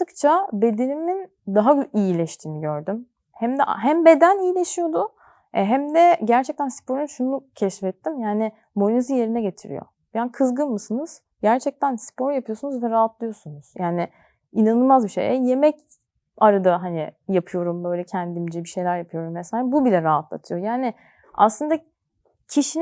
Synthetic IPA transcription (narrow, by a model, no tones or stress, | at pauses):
t̪ɯkt͡ʃʰabe̞d̪e̞nimin | d̪aɦaijilʲɛʃt̪ʰiːniɟøɾd̪ym | hæmd̪ɛʔɦæmbe̞d̪ænijilʲeʃijo̞d̪ʊ | ɛɦæmd̪ɛɟæɾt͡ʃʰɛc̚t̪ʰænsi̥pʰo̞ɾunʃunucʰɛʃfɛt̪ːimjaːnɪ | mo̞nezije̞ɾinɛɟe̞t̪ʰiɾḭjo̞̰ | bjankʰɯzɡɯnmɯsɯnɯz̥ | ɟæɾt͡ʃʰɛc̚t̪ʰænspʰo̞ɾjapʰɯjo̞sunuzvɛɾaɦat̪lˠɯjo̞sunuz̥jaːnɪ | inanɯlˠmazbiʃḛjɛje̞mɛc | aɾad̪aɦanɪjapʰɯjo̞ɾumbø̞jlʲɛcʰænd̪imd͡ʒibiʃe̞jlʲæɾjapʰɯjo̞ɾumvesaːlɛbubilʲɛɾaɦat̪ʰlˠa̰t̪ʰɯjo̞jaːnɪ | a̰slˠɯnd̪a | cʰiʃin